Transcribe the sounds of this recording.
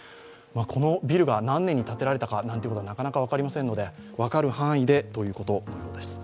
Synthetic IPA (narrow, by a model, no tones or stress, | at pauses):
mɯakʰo̞no̞bʲiɾɯ̟ɡanãnːẽ̞ɲ̟ːit̪at̪e̞ɾaɾe̞t̪akanant̪iɯkotoanakanakaβ̞akaɾʲimasenːo̞d̪e̞βakaɾɯ̟hãɰ̃id̪e̞t̪o̞jɯ̟ːko̞t̪o̞nood̪e̞sɨ̥